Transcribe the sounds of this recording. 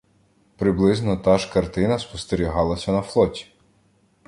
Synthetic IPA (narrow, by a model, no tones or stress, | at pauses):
pɾɪblˠɪznɔt̪ɑʒkɐrt̪ɪnɐspɔst̪eɾʲiɦɑlˠɐsʲɐnɐflˠɔtʲi̥